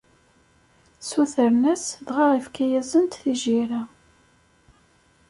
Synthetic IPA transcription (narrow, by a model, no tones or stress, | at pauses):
suθəɾnæsðʁaʁifkæjæzənt̪θiʒiɾa